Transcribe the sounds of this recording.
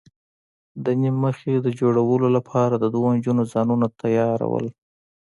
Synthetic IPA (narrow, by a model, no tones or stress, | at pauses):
d̪ənimmːəxed̪əd͡ʒoɽawəlolapʰɑɾad̪əd̪ɣond͡ʒunozɑnunat̪ʰajɑɾa̰wə̰l